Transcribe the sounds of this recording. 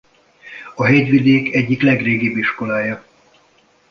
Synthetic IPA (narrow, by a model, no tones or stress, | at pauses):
ɒɦɛɟʋid̪eːkɛɟːiklɛɡreːɡibiʃko̞laːjɒ